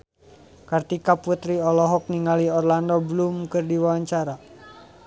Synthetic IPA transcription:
kart̪ikaput̪ɾiɔlɔɦɔk̚niŋaliɔrlandɔbəlumkɨrdiwawaɲt͡ʃaɾa

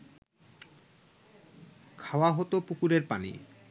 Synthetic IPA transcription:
kʰaoaɦot̪opukuɾeɾpanḭ

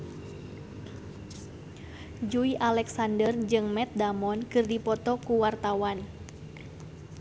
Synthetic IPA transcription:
d͡ʒuiʔalɛksandərd͡ʒɨŋmɛt̪̚damɔnkɨrdipɔt̪ɔkuwart̪awan

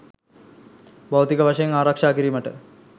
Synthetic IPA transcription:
bawt̪ikɐʋaʂɐjɐŋaːɾɐkʂaːkiɾimɐʈə

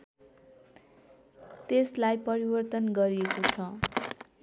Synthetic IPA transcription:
t̪eslajpʌɾibʌrt̪ʌnɡʌɾiekot͡sʰʌ

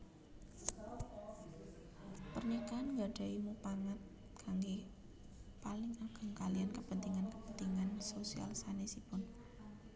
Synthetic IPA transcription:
pərɲikaanŋɡaɖ̥a̤imupaŋat̪̚ | kʰaŋɡe | palɪŋaɡ̥aŋkaliankəpənt̪iŋankəpənt̪iŋansosia̰lsanesipʊn

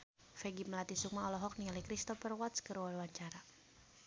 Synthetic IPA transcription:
fɛɡiməlat̪isuk̚maɔlɔɦɔk̚nialikɾist̪ɔfɛrwat̪skəɾuwalwaɲt͡ʃaɾa

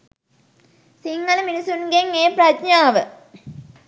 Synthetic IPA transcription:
siŋːɐlminisunɡeŋːeːpɾɐtɲaːʋɨ

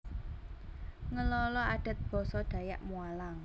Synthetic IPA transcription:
ŋəlɔlɔaɖ̥a̤t̪̚b̥ɔ̤sɔɖ̪̥ä̤jaʔmualaŋ

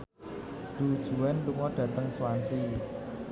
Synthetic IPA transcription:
d̥ud̥ʒ̥ṳwɛnluŋɔɖ̥ä̤t̪əŋsuwansi

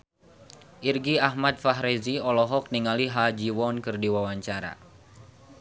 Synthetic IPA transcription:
ʔirɡiaɦmat̪̚faɦɾeziɔlɔɦɔk̚niŋaliɦad͡ʒiwɔnkɨrdiwawaɲt͡ʃaɾa̰

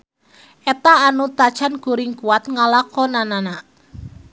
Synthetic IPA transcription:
ʔet̪aːnut̪ḁt͡ʃanɡ̥uɾɪŋkuat̪̚ŋalakɔnanana

